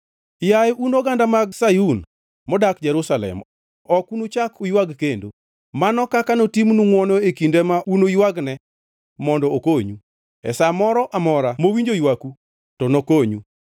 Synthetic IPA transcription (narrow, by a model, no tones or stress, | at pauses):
jajunoɡandamaɡsajun | mɔdakd͡ʒɛɾusalɛ̰m | ɔkunot͡ʃakujwaɡkendo | manɔkakanotimnuŋwɔnoekindemaʔunojwaɡnɛ | mɔndɔokoɲu | ɛ̰samɔɾɔʔamɔɾamowiɲd͡ʒojwaku | tɔnokoɲu